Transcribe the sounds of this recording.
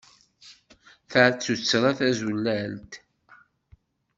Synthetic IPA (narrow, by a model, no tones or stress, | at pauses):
θəʕt͡sːut͡sːɾˤaθæzulːælt̪